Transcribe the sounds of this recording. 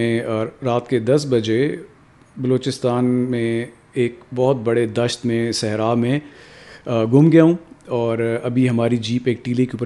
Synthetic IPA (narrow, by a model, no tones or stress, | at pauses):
ẽɔːɾːaːt̪ked̪ɐsbɐd͡ʒe | bɐloːt͡ʃɪst̪aːnmẽ | eːkbɔɦʊt̪̚bɐɽed̪ɐʃt̪mẽsɛɦɾaːmẽ | ɡʊmɡjaɦũɔːɾɐbʱiɦɐmaːɾid͡ʒiːpeːk̚ʈiːlikeʊp